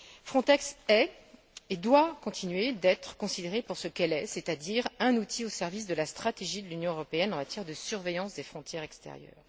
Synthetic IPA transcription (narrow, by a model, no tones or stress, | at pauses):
fχɔ̃t̪ɛksɛ | ed̪wakɔ̃t̪ʰinɥed̪ɛt̪χə̥kɔ̃sid̪eʁepuʁsəkɛlɛset̪ad̪iʁɛ̃nut̪ʰiosɛʁvis̬d̪əlast̪χat̪eʒid̪əlynjɔ̃øʁɔpeɛnɑ̃mat̪jɛʁd̪əsyʁvejɑ̃sd̪efχɔ̃t̪jɛʁɛkst̪ḛʁjœ̰ːʁ